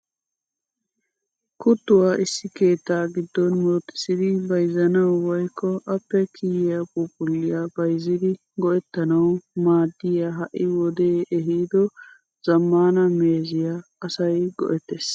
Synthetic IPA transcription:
kʊt̪ːʊwaːʔɪsːɪke̞ːt̪ːaːɡɪd̪ːɔnmoːt̪ːɪ̥sɪd̪ɪbɐjzɐnɐwwɔjkːɔʔɐpːɛkʰɪjɪjɐpuːpʊlːɪjabɐjzːɪd̪ɪ | ɡɔʔɛt̪ːɐnɐwmaːd̪ːɪjaɦɐʔɪwɔd̪eːʔɛɦiːd̪ɔ | zɐmːaːnɐmeːzɪjaɐsɐjɡɔ̰ʔɛt̪ːes

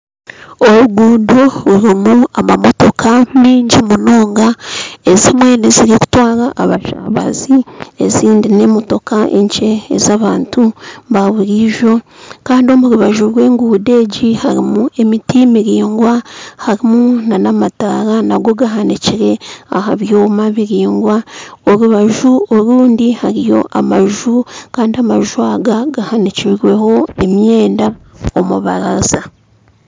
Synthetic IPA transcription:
o̞βuɡuːdo̞βuɾimuamamo̞to̞kʰamiːɲɟimuno̞ːŋɡaezemwe̞ːneziɾiku̥twaːɾaʔaβaʃa̰βa̰ziḛziːndine̞mo̞to̞kaʔe̞̰ɲt͡ʃe̞̰ːzaβaːntuβaβuɾiʒo̞kaːndio̞muɾuβaʒuɾwe̞ːŋɡuːde̞ːɟihaɾimue̞mitimiɾiːŋɡwahaɾimunanamataɾanaɡo̞ɡaɦaniciɾe̞ahaβjoːmaβiɾiːŋɡwaoɾuβaʒuoɾuːndihaɾijo̞̰ʔamaʒukaːndiamaʒuaɡaɡahaniciɾwe̞ho̞e̞mje̞ːnda | omuβa̰ɾaza

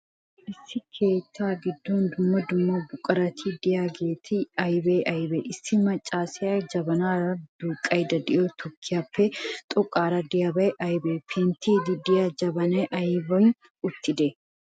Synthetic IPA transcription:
ʔɪsːɪkʰe̞ːt̪ʰːaːɡɪd̪ːoːnd̪ʊmːɐd̪ʊmːabʊkʼɐɾɐt̪ʰiːd̪ɪjaːɡe̞ːt̪ʰiɐjbeːʔɐjbeʔɪsːɪmɐt͡ʃʼːaːsɪad͡ʒɐbɐnaːɾɐd̪̥uːkʼɐjd̪ɐd̪ɪʔoːt̪ʰɔkʰːɪjafet̪ʼɔkʼːaːɾɐd̪ɪjabɐɛʔɐjbeːpʰeːnt̪iːd̪ɪd̪ɪjaːd͡ʒɐbɐnɐʔɐjbɐ | ʊt̪ːɪd̪e

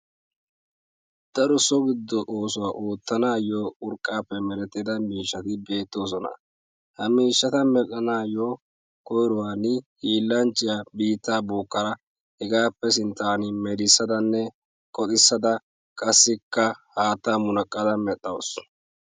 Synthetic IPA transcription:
d̪̥ɐɾɔsɔɡɪd̪ːɔʔoːsʊwaːʔoːt̪ːɐnaːjoːʊɾkʼːaːpːɛmɛɾɛt̪ːɪd̪ɐmiːʃːɐt̪ɪbe̞ːt̪ːo̞ːs̬ɔnɐ̰ | hɐmiːʃːɐt̪ɐmɛtʼːɐnaːjoː | kɔjɾʊwaːnɪhiːlːɐnt͡ʃʼːɪjabiːt̪ːaːbuːkːɐɾɐ | hɛɡaːpːɛs̬ɪnt̪ːaːnɪmɛɾɪsːɐd̪ɐnːɛ | kʼɔt̪ʼɪsːɐd̪ɐ | kʼɐsːɪkːɐhaːt̪ːamʊnɐkʼːɐd̪ɐmɛt̪ʼːɐws

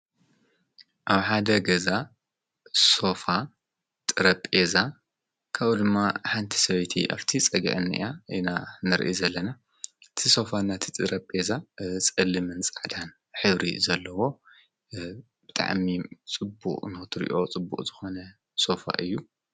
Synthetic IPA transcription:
ʔaβħad̪ɐɡɐza | so̞fa | t̪ʼɨɾɐpʼeza | kʰaβud̪ɨmːaħant̪ʰi̥sɐβɐjt̪ʰḭʔa̰ft̪ʰit͡sʼɐɡḭʕɨnːɨ̰ḭjainanɐɾʔizɐlːɐna | ɨt̪ʰiso̞fanat̪ʰit̪ʼɨɾɐpʼezat͡sʼɐlːɨmɨnt͡sʼaʕd̪an | ħɨβɾḭzɐlːɐwo̞ | b̥ɨt̪ʼa̰ʕmit͡sʼɨbṵqʼnɨxɨt̪ʰɨɾḭʔo̞t͡sʼɨbːṵχʼzɨxo̞nɐ | so̞fa̰ʔɨjːu

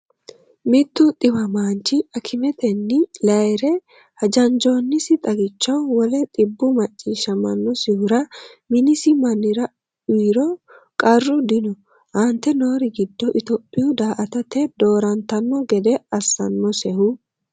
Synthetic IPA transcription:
mɪt̪ːʊt̪ʼɪbɐmaːnt͡ʃɪɐkʰɪmɛt̪ɛnːɪlɐjɾɛ | hɐd͡ʒɐnd͡ʒo̞nːɪsɪt̪ʼɐɡɪt͡ʃːɐwwɔlɛt̪ʼɪbːʊmɐt͡ʃʼːiːʃːɐmɐnːɔsɪhʊɾɐmɪnɪsɪmɐnːɪɾɐ | iːɾɔ | kʼɐrːʊd̪ɪnʊ | hɐnt̪ːɛno̞ːɾɪɡɪd̪ːɔʔɪt̪ɔpʼːɪjʊd̪aːʔɐt̪ɐt̪ɛd̪o̞ːɾɐnt̪ɐnːɔɡɛd̪ɛɐsːɐ̰nːɔsɛhʊ

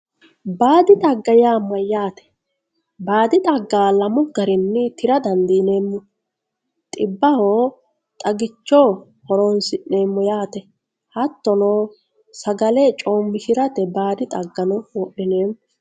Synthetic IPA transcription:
baːd̪ɪt̪ʼɐɡːɐjaːmːɐjaːt̪ɛ̥ | baːd̪ɪt̪ʼɐɡːaːlɐmʊɡɐɾɪnːɪt̪ɪɾɐd̪ɐnd̪iːneːmːʊ | t̪ʼɪbːɐhoː | t̪ʼɐɡɪt͡ʃːoː | hɔɾonsɪneːmːɔjaːt̪ɛ | hɐt̪ːɔnoː | sɐɡɐlet͡ʃʼo̞ːmːɪʃɪɾɐt̪ɛbaːd̪ɪt̪ʼɐɡːɐnɔwɔɗɪneːm

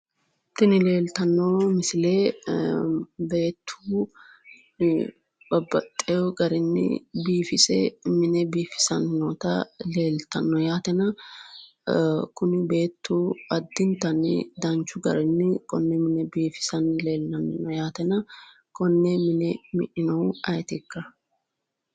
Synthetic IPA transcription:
t̪ːɪnɪle̞ːlt̪ɐnːɔmɪsɪleː | be̞ːt̪ʰːuː | b̥ɐbːɐt̪ʼːɛjɔɡɐɾɪnːɪ̰biːfɪsɛ̰mɪnɛbiːfɪ̥sɐnːɔt̪ɐleːlt̪ɐnːɔjaːt̪ɛnɐ | kʊnɪbe̞ːt̪ːuɐd̪ːɪnt̪ɐnɪ̰d̪ɐnt͡ʃːʊɡɐ̰ɾɛnːɪkɔnːɛmɪnɛbiːfɪ̥sɐnleːlːɐnːɔjaːt̪ɛnɐ | kɔnːɛmɪnɛmɪ̰ʔɪnɐwɐjt̪ɪkːɐ

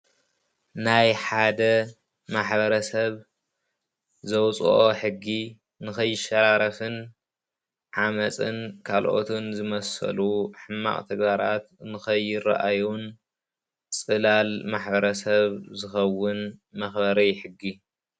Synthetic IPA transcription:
najħad̪ɐ | maħbɐɾɐsɐβ | zɐwt͡sʼṵʔoħɨɡːi | nɨxɐjːɪʃɐɾaɾɐfɨn | ʕamɐt͡sʼɨnkʰalʔo̰t̪ʰɨnzɨmɐsɐ̰luħɨmːa̰χʼt̪ʰɐɡbaɾat̪nɨxɐjɪra̰ʔajun | t͡sʼɨlalmaħbɐɾɐsɐβzɨxɐwːɨnmɐxbɐɾɐjħɨɡːi

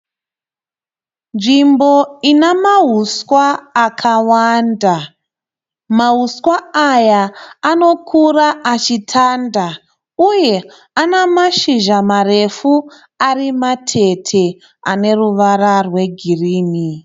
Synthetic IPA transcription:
nʐimbo̞inamaɦuskwaːkʰawanda | maɦuskwaːjaːno̞kʰuraʔat͡ʃitʰanda | uje̞ | anamaʃiʒamare̞fu | arimatʰe̞tʰe̞ | ane̞ruʋararwe̞ɡʱiriːni

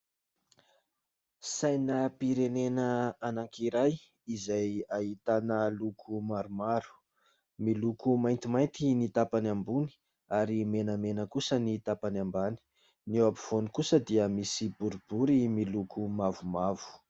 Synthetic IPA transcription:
sajnəpiɾenenəanaŋkiɾaj | izajaɦit̪anəlukʰumaɾumaɾu̥ | milukumajnt̪imajnt̪init̪apanambuni̥ | aɾimenəmenəkusənit̪apanambani̥ | newapi̥v̥onikusəd̪iəmisibuɾibuɾimilukʰumavumavu̥

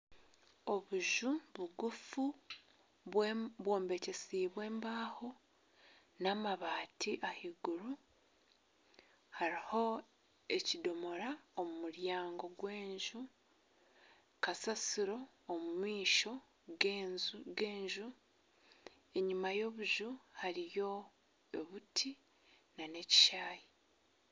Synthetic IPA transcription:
o̞βuʒuβuɡufu | βwβwoːmbe̞ce̞siːβwe̞ːmbaːho̞ | namaβaːtʰiʔahiɡuɾu | haɾiho̞ | e̞cido̞mo̞ɾaomumuɾjaːŋɡo̞ɡwe̞ːɲʒu | kasasiɾo̞ː | mumwiːʃo̞ | ɡenzɡe̞ːɲʒu | e̞ɲimajo̞βuʒuhaɾijo̞ | eβutʰi | nane̞ci̥ʃaːji

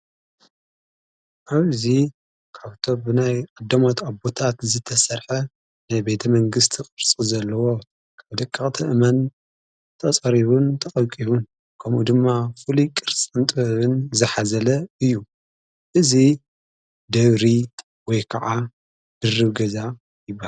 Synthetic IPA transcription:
ʔaβzi | kʰaβt̪ʰo̞bɨnajʔʼɐd̪ːɐmot̪ʰabot̪ʰat̪zɨt̪ʰɐsɐɾħɐ | najbe̞t̪ʰɐmɐŋɡɨst̪ʰikʼɨɾt͡sʼizɐlːɐwo̞ | kʰaβd̪ɐkʼːaχʼt̪ʰɐʔɨmɐn | t̪ʰɐsʼɐɾiβunt̪ʰɐχʼɐβkʼiβun | kʰɐmʔud̪ɨmːafɨlikʼɨɾt͡sʼɨnt̪ʼɨβɐβɨnzɨħazɐlɐɨjːu | ʔɨzi | d̪ɐβɾi | wɔjkʰɐʕa | d̪̥ɨrːɨβɡɐza | jɪbːaha

